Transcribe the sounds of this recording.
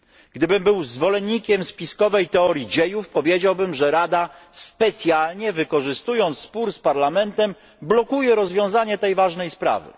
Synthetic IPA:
ɡd̪ɘbɘmbɘwzvɔlɛɲːikʲɛmspʲiskɔvɛjt̪ɛɔɾʲjid͡ʑejufpɔvʲjed͡ʑawbɘmʐɛɾad̪aspɛt̪sʲjalɲɛvɘkɔʐɘst̪ujɔnt̪sspuɾspaɾlamɛnt̪ɛm | blɔkujɛɾɔzvʲjɔ̃w̃zaɲɛt̪ɛjvaʐnɛjspɾa̰vɘ̰

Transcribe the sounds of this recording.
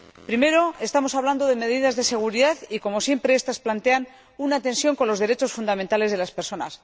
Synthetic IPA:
pɾime̞ɾo̞e̞st̪amo̞saβland̪o̞ðe̞me̞ðið̞azðe̞se̞ɣ̞uɾiðaθiko̞mo̞sje̞mpɾe̞est̪asplant̪e̞an | unat̪e̞nsjo̞ŋko̞nlo̞zðe̞ɾe̞t͡ʃo̞sfund̪amẽnt̪ale̞zðe̞laspe̞ɾso̞na̰s

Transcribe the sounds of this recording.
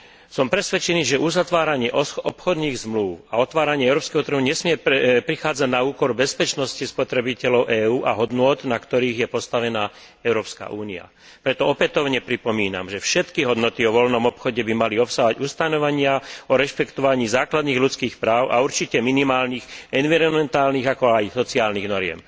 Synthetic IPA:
sɔmpɾɛsʋɛt͡ʃɛniːʒɛʔuzat̪ʋaːɾaɲɪɛʔɔɔpxɔd̪niːɣzmluʊaɔt̪ʋaːɾaɲɪɛɛʊɾɔːpskɛɦɔt̪r̩ɦuɲɛsmɪɛpɾixaːd͡zaɟnauːkɔɾbɛspɛt͡ʃnɔscispɔt̪ɾɛbicɛlɔʊʔɛːuːʔaɦɔd̪nʊɔt̪nakt̪ɔɾiːɣjɛpɔst̪aʋɛnaː | ɛʊɾɔːpska̰ʔuːnia̰ | pɾɛt̪ɔɔpɛt̪ɔʊɲɛpɾipɔmiːna̰mʒɛfʃɛt̪kiɦɔd̪nɔt̪iɔʋɔlnɔmɔpxɔɟɛbimaliɔpsaɦɔaɟust̪anɔʋaɲɪaɔɾɛʃpɛkt̪ɔʋaɲiːzaːklad̪niːɣlut͡skiːxpɾaːʊʔa̰uɾt͡ʃicɛminimaːlniːxɛnʋiɾɔnmɛnt̪aːlniːɣakɔajsɔt͡siaːlniːɣnɔɾɪɛ̰m

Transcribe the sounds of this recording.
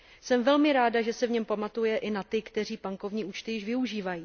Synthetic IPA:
sɛmvɛlmɪɾaːdaʒɛsɛvɲɛmpamat̪ujɛʔɪnat̪ɪkt̪ɛr̝iːpaŋko̞vɲiːʔuːt͡ʃt̪ɪjɪʃvɪuʒiːvajiː

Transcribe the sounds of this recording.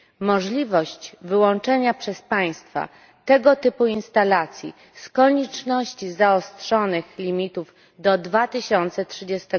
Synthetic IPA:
mɔʐlʲivɔɕt͡ɕvɘwɔnt͡ʂɛɲapʂɛspaj̃st̪fa̰ | t̪ɛɡɔt̪ɘpuinst̪alat̪sʲjḭ | skɔɲɛt͡ʂnɔɕt͡ɕizaɔst̪ʂɔnɘxlʲimʲit̪uv | d̪ɔd̪vat̪ɘɕɔnt̪sɛtʂɘd͡ʑest̪ɛ

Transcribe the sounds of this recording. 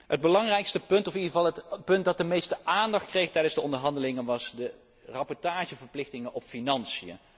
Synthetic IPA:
ɦəd̚bəlɑŋrɛjkstəpɵntɔfidəvɑlˠətpɵnt̚dɑt̚dəmejstəʔaːndɑχt̚krejχtɛjdənzdəɔndəɹɦɑndəlɪŋənʋɑsdə | rɑpɔɹtaːʒəvəɹplɪχtɪŋənʔɔpfinɑnsijə̰

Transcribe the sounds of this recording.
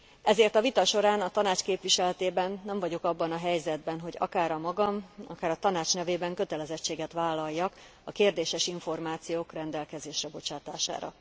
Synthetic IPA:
ɛzeːrt̪ɒvit̪ɒʃo̞ɾaːnɒt̪ɒnaːt͡ʃkeːpʋiʃɛlɛt̪eːbɛnːɛɱvɒɟo̞kɒbːɒnɒɦɛjzɛd̪̚bɛnɦo̞ɟɒ̰kaːɾɒmɒɡɒmɒ̰kaːɾɒt̪ɒnaːt͡ʃnɛveːbɛŋkø̞t̪ɛlɛzɛt͡ʃːeːɡɛt̪ʋaːlːɒjːɒk | ɒkeːrd̪eːʃɛʃiɱfo̞rmaːt̪sijoːkrɛnd̪ɛlkɛzeːʃrɛbo̞t͡ʃaːt̪a̰ːʃa̰ːɾɒ̰

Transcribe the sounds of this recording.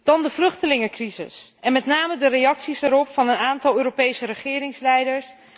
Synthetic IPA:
d̥ɑndəvlɵχtəlɪŋəkrizɪ̰sɛnmɛtnaːmədərejɑksisɛɾɔpfɑnənaːntɑlˠøːɾopejsəɾəχɪːɾɪŋslɛjdəɹs

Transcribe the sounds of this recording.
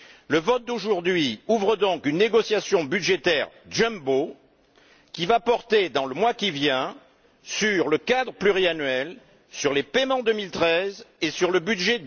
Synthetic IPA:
ləvɔt̪̚d̪oʒuʁd̪ɥiuvʁəd̪ɔ̃kynːeɡɔsjasjɔ̃byd̪ʒet̪ɛʁdʒɛ̃mbo | kʲivapɔʁt̪ed̪ɑ̃ləmwakʲivjɛ̃ | syʁləkad̪ʁəplyʁianɥɛl | syʁlepemɑ̃d̪əmilt̪χɛzesyʁləbyd̪ʒe

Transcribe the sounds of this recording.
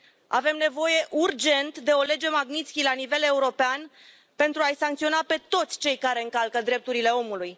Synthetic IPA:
a̰ve̞mne̞vo̞je̞ʔurd͡ʒe̞nt̪d̪e̞o̞le̞d͡ʒe̞maɡnit̪skʲilanive̞le̞uɾo̞pean | pe̞nt̪ɾuajsaŋk̚t̪sio̞nape̞t̪o̞t̪sʲt͡ʃe̞jkaɾe̞ɨŋkalkəd̪ɾe̞p̚t̪uɾile̞o̞muluj

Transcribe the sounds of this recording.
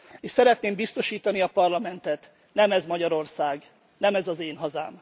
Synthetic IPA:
eːʃsɛɾɛt̪neːmbist̪o̞ʃiːt̪ɒniɒpɒrlɒmɛnt̪ɛt̪ | nɛmɛzmɒɟɒɾo̞rsaːɡ | nɛmɛzɒzeːnɦɒza̰ːm

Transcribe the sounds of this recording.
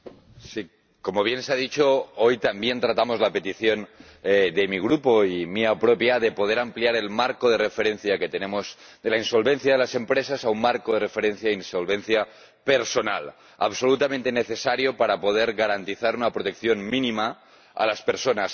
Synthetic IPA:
si | ko̞mo̞β̞je̞nseað̞it͡ʃoojt̪ambje̞nt̪ɾat̪amo̞zlape̞t̪iθjo̞n | eðe̞miɣ̞ɾupoimiapɾopjaðe̞po̞ð̞e̞ɾampliaɾe̞lmaɾkoð̞e̞refe̞ɾe̞nθjaket̪e̞nẽ̞mozd̪e̞lainso̞lβe̞nθjaðe̞lase̞mpɾesasaunmaɾkoð̞e̞re̞fe̞ɾẽ̞nθjainsolβe̞nθja | pe̞ɾso̞nal | a̰βso̞lut̪amẽnt̪eneθe̞saɾjopaɾapo̞ð̞eɾɣaɾant̪iθaɾunapɾot̪e̞kθjo̞nmĩnĩma | a̰laspe̞ɾsonas

